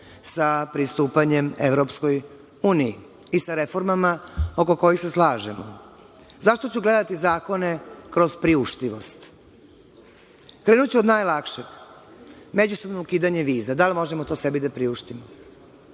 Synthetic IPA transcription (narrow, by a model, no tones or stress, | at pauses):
sapɾist̪uːpaɲe̞mḛʋɾo̞psko̞j | uːniji | isaɾefo̞ɾmamao̞ko̞ko̞jixseslˠaːʒemo̰ | zaʃt̪o̞t͡ɕuɡle̞d̪at̪izaːkone̞kɾo̞zpɾiuʃt̪iʋo̞st̪ | kɾe̞ːnut͡ɕuo̞d̪naːjlakʃe | me̞d͡ʑuso̞bnoukiːd̪aɲe̞ʋiːzad̪alimo̞ʒemot̪o̞se̞bid̪apɾiuʃt̪imo